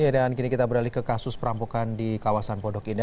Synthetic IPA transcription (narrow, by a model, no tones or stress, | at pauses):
adankinikit̪abəɾalikəkasʊspəɾampukandikawasanpɔdɔkinda